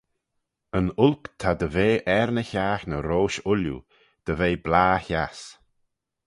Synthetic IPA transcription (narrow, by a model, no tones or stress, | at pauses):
ənʊlkt̪ʰad̪əveːʔɛɾnəçaːxnəɾoːʃʊljṵ | d̪̥əveːblaːças